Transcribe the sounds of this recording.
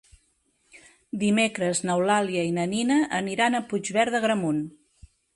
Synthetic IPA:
d̪imekɾəznəwlaliəinəninəʔːniɾanəpud͡ʒβɛɾðəɣɾəmun

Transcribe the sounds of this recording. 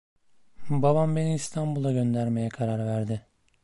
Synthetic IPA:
babambe̞niːst̪ʰambulˠaɟø̞nd̪æɾme̞jɛkʰaɾaɾvæɾd̪ɪ

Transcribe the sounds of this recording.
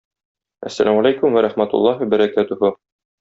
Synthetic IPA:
ʔæ̰sːæ̰lʔæmalʲajkumwæɾæχmæt̪ṵlˠːɑɦbæɾækæt̪ɵhʊ

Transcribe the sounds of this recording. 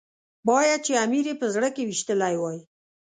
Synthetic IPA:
bɑjad̪̚t͡ʃeamiɾepəzɽəkewiʃt̪əlajwɑj

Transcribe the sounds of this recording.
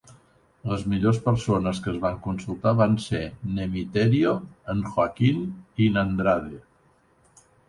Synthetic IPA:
ləzmiʎospəɾsonəskəːzβaŋkunsulˠt̪aβansenəmit̪ɛɾioəŋxwakininənd̪ɾaðe

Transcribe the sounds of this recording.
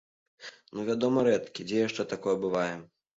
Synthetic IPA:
nuvʲad̪ɔmɐɾɛt̪kʲid͡zʲɛjɛʂt͡ʂɛt̪akɔjɛbɨvajɛ

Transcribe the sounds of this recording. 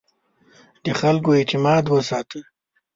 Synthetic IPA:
d̪əxalkoet̪ɪmɑːd̪wəsɑːt̪ə

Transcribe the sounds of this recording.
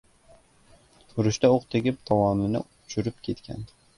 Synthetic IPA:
ʊɾʊʃt̪aoqt̪ʰɪɡʲɪp̚t̪ʰɒwɒnɪnɪ̰ | t͡ʃʰʊɾɪp̚kʲʰe̞t̪kʲʰa̰n

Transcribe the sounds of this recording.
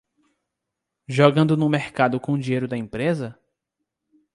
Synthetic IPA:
ʒɔɡɐ̃nd̪ʊnʊ̃meɾkad̪ʊkõd͡ʒiejɾʊd̪ɐẽpɾezɐ

